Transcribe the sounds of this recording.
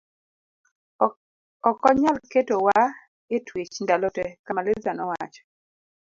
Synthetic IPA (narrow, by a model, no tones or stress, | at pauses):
ɔkɔɲalketowa | etwet͡ʃndalotɛkamalɪzanɔwa̰t͡ʃɔ̥